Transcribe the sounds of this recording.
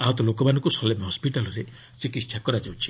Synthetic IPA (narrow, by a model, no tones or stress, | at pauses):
aɦɔt̪ɔlokɔmanɔ̃ŋkusɔlemɦɔspiʈalɔɾe | t͡ʃikit̪ːsʰakɔɾad͡ʒawt͡ʃʰi̥